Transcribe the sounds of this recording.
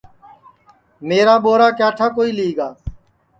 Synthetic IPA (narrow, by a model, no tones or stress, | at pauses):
meːɾaːɓoːɾaːkaːʈʰaːkoːiːliːɡaː